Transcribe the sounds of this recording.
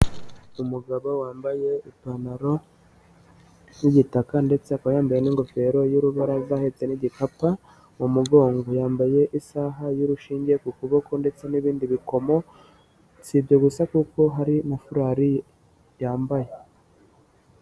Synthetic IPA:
umuɡaβawaːmbaje̞itanaɾo̞ | niɟitakande̞t͡sekajaːmbajeniŋɡo̞fe̞ɾo̞juɾuβaɾavahet͡se̞niɟikapa | mumuɡo̞ːŋɡo̞jaːmbaje̞ʔisaɦajuɾuʃiːɲɟe̞kukuβokonde̞t͡se̞niβiːndiβiko̞mo̞ | t͡siːbɟeɡusakuko̞ɦaɾimafuɾaːɾi | jaːmbaje̞

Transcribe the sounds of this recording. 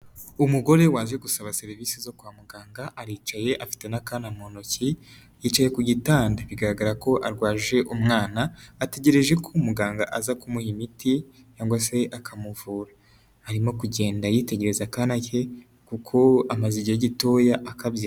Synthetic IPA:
umuɡo̞ɾe̞waːnzeɡusaβase̞ɾviːsizo̞kwaːmuɡaːŋɡaʔaɾiːt͡ʃaje̞ʔafi̥te̞nakanamo̞no̞ci | jiːt͡ʃaje̞kuɟitaːndaβiɡaɾaɡaɾako̞ʔaɾɡwaːʒe̞ʔumŋaːnaːte̞ɟe̞ɾe̞ʒe̞kʰomuɡaːŋɡaʔazakumuhimitʰi | t͡ʃaːŋɡwaseʔakʰamuvuːɾa | hːɾimo̞kuɟe̞ːndajite̞ɟe̞ɾe̞zakanace̞ | kukʰo̞amaziɟijeɟito̞ːjaʔakabji

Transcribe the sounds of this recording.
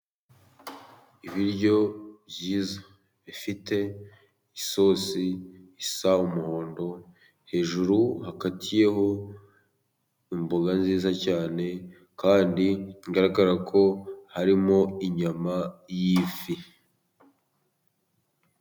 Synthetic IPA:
iβiɾɟo̞bjiːza | βifite̞ | iso̞ːsiːsaumuho̞ːndo̞ | he̞ːʒuɾuhaɡatʰije̞ɦo̞ | imbo̞ɡanziːzacaːne̞ | kaːndiŋɡaɾaɡaɾakʰo̞haɾimo̞iɲamajiːfi

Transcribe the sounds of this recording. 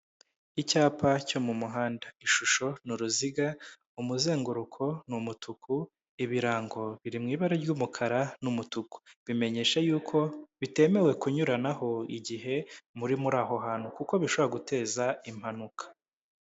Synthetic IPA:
icaːpaco̞mumuɦaːndaiʃuʃo̞nuɾuziɡa | umuze̞ːŋɡuɾukʰo̞numutʰuku | iβiɾaːŋɡo̞βiɾimŋiːβaɾeɾɟuːmukʰaɾanumutuku̥βime̞ɲe̞ːʃajuːkʰo̞βite̞ːme̞we̞kuɲuɾanaho̞iɟiɦe̞muɾimuɾaːɦo̞ɦaːnhukuko̞βiʃoβoɾaɡute̞ːzaim̥hanukḁ

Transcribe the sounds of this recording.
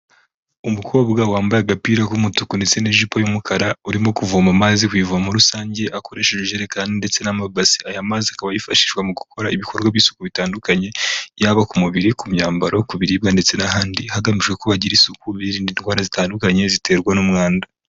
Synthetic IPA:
umukʰo̞ːbɡawaːmbajaɡapiːɾakumutukunde̞t͡se̞neʒipojumukʰaɾauɾimo̞kuvumamaːzikwiːvuβamuɾusaːɲɟe̞ʔako̞ɾe̞ːʃeʒeʒeɾekaːndinde̞t͡se̞namabasi̥ajamaːziakaβajifaʃi̥ːʃɡwamuɡukʰo̞ɾaiβikʰo̞ɾɡwaβiːsu̥kuβitaːndukaɲe̞jaβakumuβiɾikumɲaːmbaɾʔo̞kuβiɾibɡande̞t͡se̞naɦaːndihaɡamiʃɡekoβaɟiɾisukuβiɾiːndinhwaːɾazitaːndukaɲe̞zite̞ɾɡwanumŋaːnda

